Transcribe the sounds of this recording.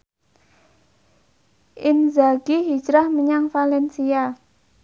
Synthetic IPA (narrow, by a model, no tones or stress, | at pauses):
ʔɪnzaɡiɦi̥d͡ʒɾahməɲaŋfalɛnsia